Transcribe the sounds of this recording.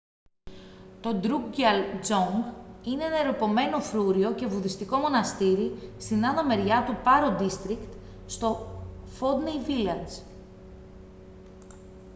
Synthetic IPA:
t̪o̞d̪ɾuɡɡɐld͡zoŋɡineenɐeɾopo̞me̞no̞fɾuɾio̞ce̞vuðist̪iko̞mo̞nɐst̪iɾist̪inɐðome̞ɾʝɐt̪upɐɾod̪ist̪ɾikt̪ | st̪o̞fo̞d̪nejvilɐz

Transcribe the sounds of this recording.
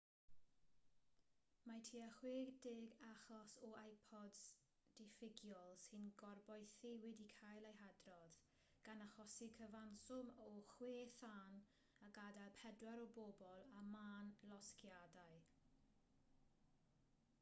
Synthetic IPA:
matʰiːaχweːɡdɪɡaχɔsɔajpʰɔds | d̥ɪfɪɡjɔlˠsɪnɡɔrbɔjθɪwɪdikʰajlˠejɦadrɔð | ɡ̥anaχɔsikʰəvansʊmɔχweːθan | əɡadalˠpʰɛdwaɾɔbobɔlˠamaːnlˠɔskʰjadaɨ

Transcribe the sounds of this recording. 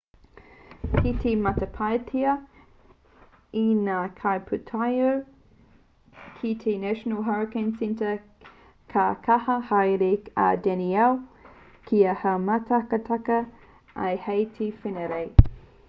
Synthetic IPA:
kʰitʰemɐtɐpʰajtʰiɐ | inaːkʰajpʰutʰajow | kʰitʰenæʃənəlɦaɹɪkẽnsɛ̃ntə | kʰɐkʰɐhɐhajɾea̰dɛniɛw | kʰiɐhɐmɐtɐkɐtʰɐkɐ | ɐ̰jhejtʰifenəɾej

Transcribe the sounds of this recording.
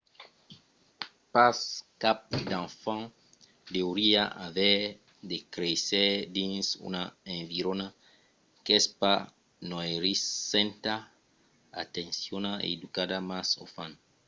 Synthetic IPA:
paskap̚d̪ãnfã | d̪euɾiaʔavɛ | d̪ekɾesed̪ĩnsṵnaẽɱviɾona | kespa | noeɾisːẽnt̪a | at̪ẽnsjonaḛd̪ukad̪amaso̰fãn

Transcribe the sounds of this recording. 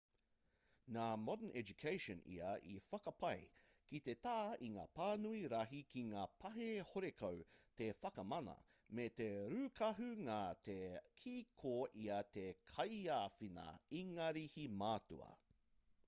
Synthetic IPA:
naːmɔdənʔɛd͡ʒukʰejʃɔ̃nḭɐʔḭfɐkɐpɐj | kit̪et̪aːiŋa̰ːpaːnuiɾɐɦikʰiŋaːpʰɐɦehoɾekʰɐwt̪efɐkɐmɐnɐ̰met̪eɾʉkʰɐɦʉŋaːt̪ekʰikʰoʔiɐt̪ekʰɐjaːfinɐ̰iŋɐɾihimaːtṵɐ̰

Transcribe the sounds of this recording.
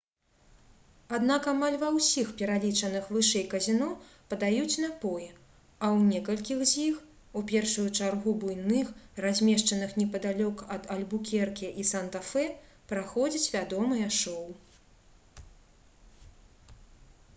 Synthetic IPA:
ad̪nakamalʲvɐwsʲixpʲɛɾalʲit͡ʂɐn̪ɨxvɨʂɛjkɐzʲinɔpɐd̪ajut͡sʲnɐpɔji | ɐwnʲɛkɐlʲkʲixzʲix | upʲɛrʂujut͡ʂarɣubujnɨxrazʲmʲɛʂt͡ʂɐnɨxnʲɛpɐd̪alʲɔkɐd̪ɐlʲbukʲɛrkʲɛʔisɐnt̪afɛ | pɾaxɔd͡zʲit͡sʲvʲad̪ɔmɨjɐʂɔw

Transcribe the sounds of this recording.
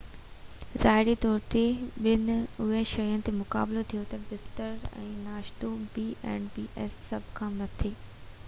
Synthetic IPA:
zaːɦɪɾit̪ɔːɾt̪eɓɪnʊɦeʃɐjənɪ̆t̪emʊkaːblot̪ʰijot̪ɐbɪst̪əɾɛ̰̃ːnaːʃt̪obiːʔɛ̰̃ːɳɖbiːʔɛːsːɐbʱkʰãːnɐt̪ʰeː

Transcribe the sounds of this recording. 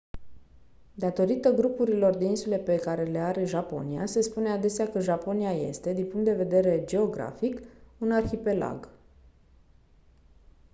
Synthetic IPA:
d̪at̪o̞ɾit̪əɡɾupuɾilo̞rd̪e̞insule̞pe̞kaɾe̞le̞aɾe̞ʒapo̞̰nija̰se̞spunead̪e̞seakəʒapo̞nijaje̞̰st̪e̞d̪inpuŋkt̪d̪e̞ve̞d̪e̞ɾe̞d͡ʒe̞o̞ɡɾa̰fikunarçipe̞la̰ɡ

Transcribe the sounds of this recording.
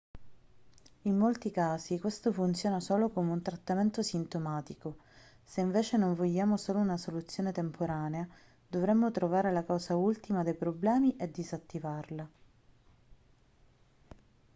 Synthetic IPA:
imːolt̪ikaːzikwest̪ofunt̪sjoːnasoːlokomeunt̪ɾat̪ːament̪osint̪omaːt̪iko | seiɱveːt͡ʃenoɱvoʎːaːmosoːlounasolut̪sːjoːnet̪empʰoɾaːnea | d̪ovɾɛmːot̪ɾovaːɾelakawsault̪imad̪ejpɾoblɛːmiʔed̪ːizat̪ːivarla

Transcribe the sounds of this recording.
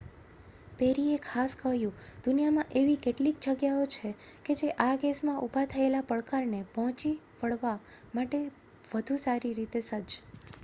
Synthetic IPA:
peɾiekʰaskəɦjũd̪̥ʊnijamãʔeʋikeʈlik̚d͡ʒəɡjaot͡ʃʰeked͡ʒeʔaɡesmãʔubʱat̪ʰəelapəɭkaɾnepɔɦt͡ʃi | ʋəɭʋamaʈe | ʋəd̪ʱũsaɾiɾit̪esəd͡ʒ

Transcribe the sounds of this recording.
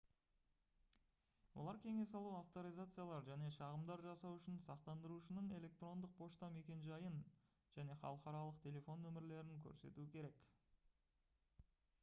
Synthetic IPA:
wo̞̰lˠɑɾkʲʰe̞ŋe̞sɑlˠuaft̪o̞ɾijzat̪sɨjalˠɑɾʒæne̞ʃɑʁəmd̪ɑɾʒɑsɑwʏʃɪnsɑqt̪ɑnd̪əɾuʃənəɴe̞le̞k̚t̪ɾro̞nd̪əq̚pʰo̞ʃt̪ɑme̞kʲe̞nʒɑjən | ʒ̥æne̞χɑ̰lˠəqɑɾɑlˠəqt̪ʲʰe̞le̞fo̞nɵmɪɾle̞ɾɪŋkʲʰɵ̰ɾse̞̰t̪uɪkʲʰe̞ɾe̞k

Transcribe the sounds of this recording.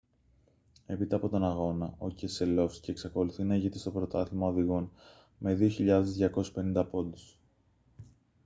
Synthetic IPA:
e̞pit̪eɐpo̞t̪o̞nɐɣo̞nɐo̞cese̞lo̞fsce̞ːksɐko̞luθinɐiʝet̪ist̪o̞pɾo̞t̪ɐθimɐoðiɣo̞n | me̞ðio̞çiʎɐðe̞zðʝɐko̞se̥spe̞nind̪ɐpo̞d̪us

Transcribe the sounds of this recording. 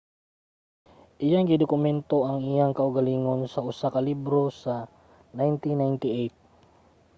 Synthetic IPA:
ʔɪjaŋɡɪd̪ʊkʊmɛnt̪oʔaŋijaŋkaʊɡaliŋonsaʊsakalibɾosa | najnt̪inajnt̪ɪejt̪̚

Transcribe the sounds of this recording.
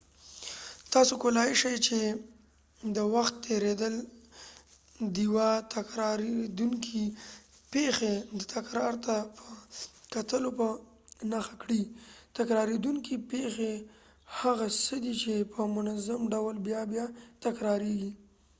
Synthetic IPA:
t̪ɑsokʊlɑjɪʃajt͡ʃe | d̪əwaxt̪ːeɾed̪əl | d̪iwɑt̪ʰakɾɑɾed̪uŋkʰi | pexed̪ət̪ʰakɾɑɾt̪apʰəkat̪əlopə | naxakɽit̪akɾɑɾed̪uŋkipexe | haɣasəd̪it͡ʃepʰəmʊnazamɖawlbjɑbjɑt̪akɾɑɾeɡi

